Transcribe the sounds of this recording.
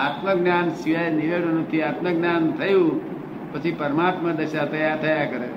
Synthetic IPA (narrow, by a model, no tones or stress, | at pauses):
aːt̪məɡnjaːnsiʋəjniʋeɽənũt̪ʰiat̪məɡnjant̪ʰəjũ | pət͡ʃʰipəɾəmaːt̪məd̪əʃat̪ɐjat̪əjaɾkəɾe